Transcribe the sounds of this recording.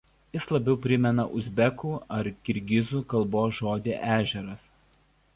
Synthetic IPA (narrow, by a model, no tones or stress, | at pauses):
jɪslˠɐbʲɛʊpʲɾʲɪmʲɛnɐʔʊzʲbʲɛkuːɐɾkʲɪɾʲɡʲɪzuːkɐlˠboːʒoːd̪ʲeːʔæːʒʲɛɾɐs